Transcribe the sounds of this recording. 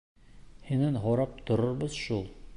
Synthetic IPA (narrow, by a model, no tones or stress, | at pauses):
hinænɦoɾɑp̚t̪ŏɾŏɾbɤzʃulˠ